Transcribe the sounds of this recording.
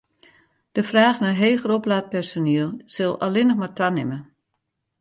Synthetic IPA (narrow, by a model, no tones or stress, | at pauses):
d̥əfraːxnaɦeːxəroplaːt̚pɛrsoniəlˠsɪlˠalɪnəxmatʰanɪmə